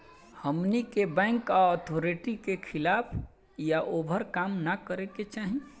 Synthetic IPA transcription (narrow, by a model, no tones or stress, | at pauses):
həmnikebɛ̃ŋkaɔt̪ʰoɾeʈikekʰɪlaːpʰ | jaʔoːbʱəɾkaːmnakəɾeket͡ʃaːɦi